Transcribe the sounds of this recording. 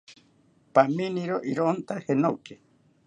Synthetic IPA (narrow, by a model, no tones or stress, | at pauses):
paminiɾoʔiɾont̪ahenowke